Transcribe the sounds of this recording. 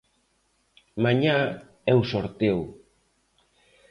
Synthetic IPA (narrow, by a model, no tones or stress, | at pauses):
maɲa | ɛwsoɾt̪ew